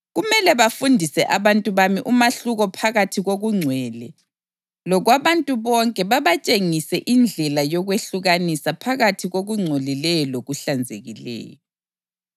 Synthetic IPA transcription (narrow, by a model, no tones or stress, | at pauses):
ɣumɛlɛβafundʱisɛʔaβantʼuβamiʔumaɬuɣɔpʰaɣatʰiɣoɣuŋ͡ǀʱwɛːlɛ | lɔɣwaβantʼuβɔŋkʼɛβaβat͡ʃʼeŋisɛʔind͡ɮʱɛlajɔɣweɬuɣanisapʰaɣatʰiɣoɣuŋ͡ǀʱolilɛjɔloɣuɬand͡zʱeɣilɛ̰ːjɔ